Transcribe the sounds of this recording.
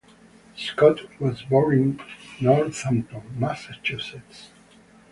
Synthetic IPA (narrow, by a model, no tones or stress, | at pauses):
skɔtʰwɔzbɔɹĩŋnɔɹsãmtɔmasat͡ʃʰusɛts